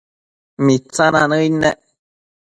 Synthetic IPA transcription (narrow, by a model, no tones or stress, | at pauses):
mit͡sananəinɛʔ